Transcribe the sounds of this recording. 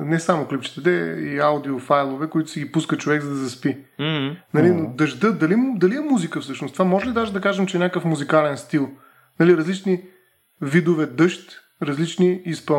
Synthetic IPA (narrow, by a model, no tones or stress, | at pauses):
nɛsamʊklipt͡ʃɛ̥t̪ɛt̪ɛiawd̪iofajlˠovɛkoit̪ʊ̥sɛɡipuskət͡ʃovɛɡzɐd̪ɐzɐspi | nɐlinod̪ɐʒd̪əd̪ɐlid̪ɐliɛmuzikəfsɤʃnʊst̪vamɔʒɛlid̪aʒɛd̪ɐkaʒɛmt͡ʃɛnʲakəfmuzikalɛnst̪ilˠ | nɐliɾɐzlit͡ʃni | vid̪ovɛd̪ɤʃt̪ | ɾɐzlit͡ʃniispə